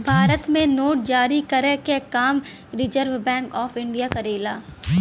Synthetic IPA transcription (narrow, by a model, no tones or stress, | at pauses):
bʱaːɾət̪mẽnoːʈ̚d͡ʒaːɾikɐɾekekaːm | ɾɪd͡ʒəɾʋbɛ̃ːŋkɔːfɪ̃ɳɖijakɐɾeːlaː